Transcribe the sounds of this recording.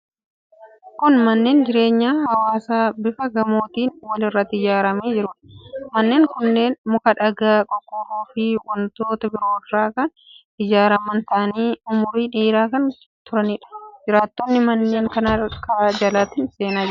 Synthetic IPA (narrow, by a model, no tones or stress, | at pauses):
kʊnmɐnːe̞ːnd͡ʒɪɾe̞ːɲːaːhɐwaːsaːbɪfɐɡɐmo̞ːt̪iːnwɐlɪrːɐt̪ːɪd͡ʒaːɾɐmeːd͡ʒɪɾʊᶑɐ̥mɐnːe̞ːŋkʊnːe̞ːnmʊkɐᶑɐɡaːkʼɔkʼːɔɾuːfɪwɐnt̪o̞ːt̪ɐbɪɾo̞ːrɾaːkɐn | ɪd͡ʒaːɾɐmɐnt̪ɐʔɐniːʊmʊɾiːᶑeːɾaːkɐn | t̪ʊɾɐnɪᶑɐ̥d͡ʒɪɾaːt̪ːɔnːɪmɐnːe̞ːŋkɐnakɐɾaːd͡ʒɐlaːt̪ɪnse̞ːnaːd͡ʒɪ